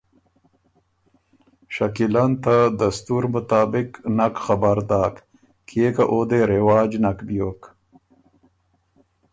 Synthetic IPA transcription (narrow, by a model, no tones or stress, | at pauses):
ʃakilant̪ad̪ast̪uɾmʊt̪aːbɪknakxabaɾd̪aːk | kʰekaʔod̪eɾewaːd͡ʒnakbjok